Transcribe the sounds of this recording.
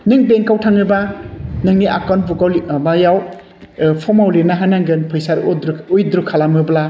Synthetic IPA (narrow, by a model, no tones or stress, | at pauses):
nɯŋbeŋkawtʰaŋɯbanɯŋniʔakɔnbukawlbajaw | pʰɔmawlinaɦanaŋɡɯnpʰɯjsaɾdujd̪ɾukʰalamɯbla